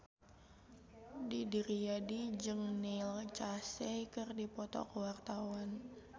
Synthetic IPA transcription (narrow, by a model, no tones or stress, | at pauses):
didiɾiadid͡ʒɨŋnɪlt͡ʃasɛkɨrdipɔt̪ɔ̰kəwart̪awan